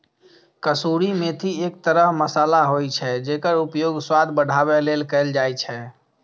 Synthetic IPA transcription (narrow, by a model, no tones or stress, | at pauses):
kəsuɾimet̪ʰiek̚t̪əɾəɦməsalaɦojt͡ʃʰɛd͡ʒekəɾupjoɡswad̪ʱbəɽ̤ʱabɛlelkɛld͡ʒajt͡ʃʰɛ